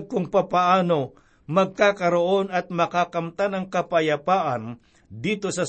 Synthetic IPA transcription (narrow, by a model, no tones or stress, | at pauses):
ɡ̚kʊŋpapaʔaːno̞ | mɐɡ̚kakɐɾoʔo̞nɐt̪̚mɐkakɐmt̪anɐŋkɐpɐjɐpaːʔɐn | d̪iːt̪osɐ